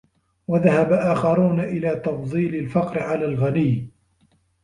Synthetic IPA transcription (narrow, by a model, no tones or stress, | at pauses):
waðahabaʔaːxɑɾuːnaʔɪlaːt̪ɑfðˤiːlalfɑqɾɪʕalaːlɣanɪjː